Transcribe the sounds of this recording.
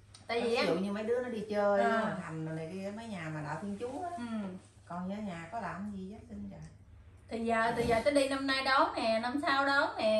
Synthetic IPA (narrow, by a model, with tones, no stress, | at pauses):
t̪a̰ː˧˨ji˨˩˦ʔa˦ḭ˧˨əwɲɨ˧mə˨˦jɗɨ˨˦ənɔ˨˦˥i˧t͡ɕəː˧ja˨˩t̪ʰa˨˩jŋ̟˨˩laː˨˩jkaː˨˦˨mə˨˦jɲaː˨˩maː˨˩ɗa̰ː˧˩t̪ʰi˧ənt͡ɕu˨˦ʔaː˨˦˨ | kɔ˨˩nɲə˨˦ɲaː˨˩kɔ˨˦laː˧˩˧zi˨˩zə˨˦si˧ŋzaː˨˩ | t̪ʰi˨˩zəː˨˩t̪ʰi˨˩zəː˨˩t̪ə˨˦ɗi˧na˧mnaː˧jɗɔ˨˦nɛ˨˩na˧msaː˧wɗɔ˨˦nɛ˨˩